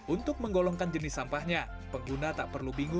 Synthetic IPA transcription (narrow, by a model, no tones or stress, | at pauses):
ʔunt̪ʊk̚məŋɡolɔŋkand͡ʒənɪsːampahɲa | pəŋɡunat̪aʔpərlubiŋʊ